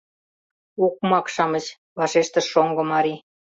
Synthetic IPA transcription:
uk̚mɑkʃɑmə̆t͡ɕ | βɑʃeʃt̪ə̆oŋɡŏmɑɾi

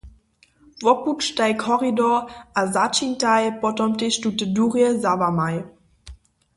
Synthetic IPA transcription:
vɔput͡ʃtajkʰɔʁidɔʔazat͡ʃintajpɔtɔmteʃtutəduʁjɛzavamaj

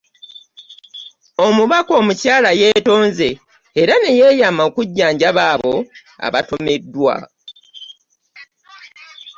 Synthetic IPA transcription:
o̞muβako̞ːmucaːlaje̞ːto̞ːnze̞ː | ɾane̞je̞ːjamaokuɟːaːɲɟaβaːβo̞ | a̰βato̞me̞dːwa̰

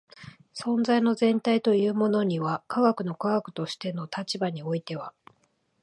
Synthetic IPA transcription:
sõ̞nzaino̞zẽ̞nt̪ait̪o̞jɯ̟ːmo̞no̞ɲ̟iβakʰaɡakɯ̟no̞kaɡakɯ̟̥t̪o̞ɕi̥t̪e̞no̞t̪at͡ɕibaɲ̟io̞it̪e̞βa

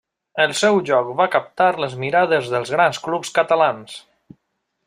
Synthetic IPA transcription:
əlˠsɛwʒɔkβakəp̚t̪aɾləzmiɾað̞əzðəlˠzɣɾansklupskət̪alans

